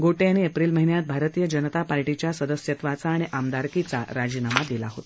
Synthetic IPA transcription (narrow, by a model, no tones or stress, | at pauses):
ɡoʈeañiepɾilməɦinjat̪̚bʱaɾət̪iːjəd͡ʑənət̪apaɾʈit͡ɕjasəd̪əsjət̪ʋat͡saːɽ̃iʔamd̪aɾkit͡sa̰ɾad͡ʑiːnamad̪ilaɦot̪